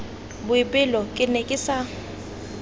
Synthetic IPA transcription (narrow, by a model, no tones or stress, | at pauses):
bʊipʼɪlɔkʼɪnɛkʼɪsa